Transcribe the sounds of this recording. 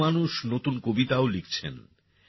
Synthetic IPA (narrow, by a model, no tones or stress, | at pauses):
anuʃnot̪unkobit̪aolikt͡ɕʰḛn